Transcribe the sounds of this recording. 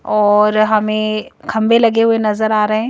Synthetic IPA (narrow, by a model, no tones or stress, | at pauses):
ɔːɾɦɐmẽkʰɐ̃mbʱelɐɠeɦuenɐzəɾaːɾɐɦẽ